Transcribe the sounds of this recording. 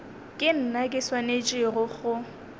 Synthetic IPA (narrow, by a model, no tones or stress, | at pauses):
kʼɪn̩nakʼɪswanet͡ʃʼɪrʊχʊ